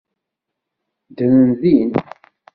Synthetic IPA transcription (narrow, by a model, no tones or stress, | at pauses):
d̪ənənðin